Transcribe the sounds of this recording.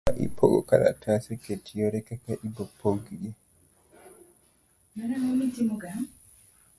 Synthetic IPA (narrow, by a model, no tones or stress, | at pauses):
aʔḭpʰoɡɔ̰kala̰tʰasɛketijɔɾɛkakaʔibɔpʰoɡiɡɛ | maɾaŋomitimuɡa